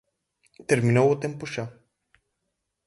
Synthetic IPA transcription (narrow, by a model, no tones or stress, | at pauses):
t̪erminawot̪empuʃa